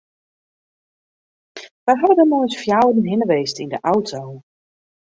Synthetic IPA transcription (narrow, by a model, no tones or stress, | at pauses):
ʋajɦɛbədəmɔjsfjawn̩ɦɪnəʋejstindəʔawtʰow